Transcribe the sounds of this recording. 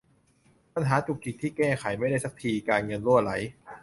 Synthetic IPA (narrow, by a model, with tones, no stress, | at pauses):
pa˧nɦaː˩˦t͡ɕu˨˩k̚t͡ɕi˨˩t̪ʰːiː˥˩kɛː˥˩kʰa˩˦jma˥˩jda˥˩jsa˦k̚t̪ʰiː˧kaː˧nŋɤ˧nɾu˥˩ɐla˩˦j